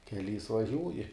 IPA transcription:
kʲɛˈlʲiːs ʋɐˈʒʲuːjɪ

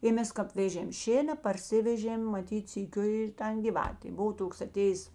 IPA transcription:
ɪ ˈmʲɛs kɐp ˈʋʲeːʒʲeːm ˈʃʲeːnɐ pɐrʲˈsʲɪʋʲɛʒʲeːm mɐˈtʲiːt sʲiːˈkʲʊ ɪr ˈtɐn ˈɡʲɪʋɐtʲeː ˈbʊʋoː ˈtoːks ɐˈtʲeːjeːs

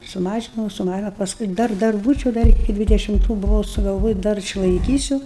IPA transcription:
sʊˈmɑːʒʲɪnɐʊ sʊˈmɑːʒʲɪnɐʊ pɐsˈkʊɪ ˈdɐr ˈdɐr ˈbuːt͡ʃʲɛʊ ˈdɐr ɪkʲɪ dʲʋʲɪdʲɛʃʲɪmˈtuː bʊˈʋɐʊ sʊɡɐlˠˈʋoːjɪ ˈdɐr ɪʃlˠɐɪˈkʲiːsʲʊ

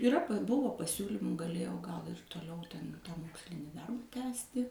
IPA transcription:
ɪˈrɐ ˈbʊʋoː pɐˈsʲuːlʲiːmuː ɡɐˈlʲeːjɛʊ ɡɐlˠ ɪr toːˈlʲɛʊ tʲɛn ˈmoːksʲlʲɪnʲiː ˈdɐrbɐ ˈtʲæːsʲtʲɪ

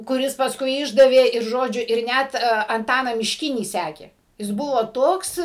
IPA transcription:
kʊˈrʲɪs pɐsˈkʊɪ ˈɪʒdɐʋʲeː ɪr ˈʒoːd͡ʒʲʊ ɪr ˈnʲæt ɐnˈtɑːnɑː mʲɪʃʲˈkʲɪnʲiː ˈsʲæːkʲeː jɪs ˈbʊʋoː ˈtoːks

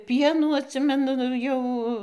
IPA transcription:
ˈpʲiɛnuː ɐtʲˈsʲɪmʲɛnʊ ˈjɛʊ

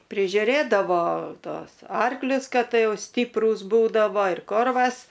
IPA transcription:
pʲrʲɪʒʲʊˈrʲeːdɐʋoː ˈtuɔs ˈɐrklʲʊs ˈkɐt ˈjɛʊ ˈsʲtʲɪpruːs ˈbuːdɐʋoː ɪr ˈkoːrʋɐs

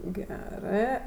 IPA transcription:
ˈɡʲæːrɜ

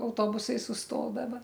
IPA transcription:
ɐʊˈtoːbʊsɐɪ sʊsˈtoːdɐʋɐ

